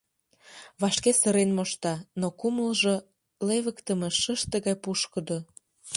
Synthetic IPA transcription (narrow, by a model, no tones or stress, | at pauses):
βɑʃkesəɾenmoʃt̪ɑnokuməlʒo | leβəkt̪əmeʃəʃt̪əɣɑjpuʃkə̆d̪o